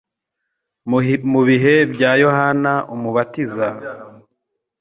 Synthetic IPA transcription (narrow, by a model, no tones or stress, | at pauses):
muβiɦe̞bjaːjo̞hanaʔumuβatiza